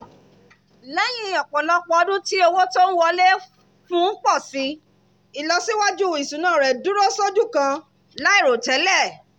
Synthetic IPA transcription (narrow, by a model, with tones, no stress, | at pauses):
lɛ˦j̃ĩ˧ɔ˨k͡pɔ̃˨lɔ˦k͡pɔ˧ɔ˧dũ˦ti˦o˧wo˦to˦n̩˦wɔ˧le˦ | fũ˦k͡pɔ˦˨si˨˦ | i˨lɔ˧si˦wa˦d͡ʒu˦˨i˨sũ˨˦nãː˦˨ɾɛ˨du˦ɾo˦so˦d͡ʒu˦kã˧ | la˦i˦˨ɾo˨tɛ˨˦lɛ˦˨